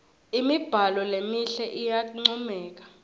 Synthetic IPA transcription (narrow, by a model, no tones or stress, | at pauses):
imib̥ʱalɔlemiɬɛʔijak̬uŋ͡ǀɔmɛːk̬ḁ